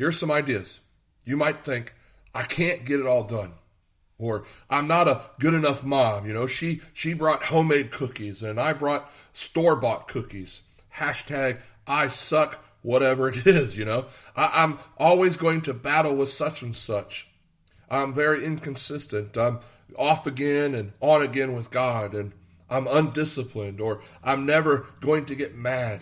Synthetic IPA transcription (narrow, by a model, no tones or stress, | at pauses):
hɪɹz̥sʌ̃maɪdiɨz̥ | jɨmaɪt̪̚θɪ̃ŋk | ʔaɪkʰæ̃nɡ̥ɛɾɨɾɔlˠdʌ̃n | ə˞ʔãɪ̃mnəɾəɡ̥ʊɾɨnʌfmɑ̃mjɨnoʊʃiʃibɹɔt̚hõʊ̃meɪd̚kʰʊkizɨ̃naɪbɹɔt̚ | stɔɹbɑt̚kʰʊkiz̥ | hæʃtʰæɡ̚ | ʔaɪsʌk | wʌɾɛvə˞ɨɾɪzjɨñoʊʔaʔãɪ̃mʔɔlˠwizɡoʊɪ̃ŋtʰɨbæɾl̩ˠwəð̥sʌt͡ʃɨ̃n̩sʌt͡ʃ | ʔãɪ̃ɱvɛɹiɪ̃nkʰɨ̃nsɪstɨ̃ntʌ̃ɪ̃m | ɔfɨɡɛ̃nɨ̃nə̃nɨɡɛ̃nwəðɡɑɾɨ̃n | ʔãɪ̃mə̃ndɪsəpʰlɨ̃ndə˞ʔãɪ̃mnɛvə˞ɡ̥oʊɪ̃ŋtɨɡɛt̚mæd̥